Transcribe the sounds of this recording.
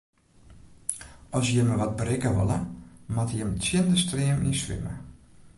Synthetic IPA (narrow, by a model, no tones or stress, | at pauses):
ɔsjəməʋɔt̚bərɪkəʋo̰lˠəmatjəmt͡sjɪəndəstrɪəmḭnsʋɪ̰mə̰